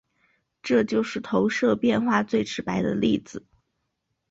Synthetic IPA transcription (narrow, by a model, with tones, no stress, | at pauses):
ʈ͡ʂɤ˥˧t͡ɕjo˥˧ʊʂɻ̩˥˩t̪ʰo˧˥ʊʂɤ˥˧pjɛ˥˧nxwa˥˧t͡swe˥˩ɪʈ͡ʂʰɻ̩˧˥pa˧˥ɪd̪ə̰˧li˥˩d͡zɹ̩˨˩˦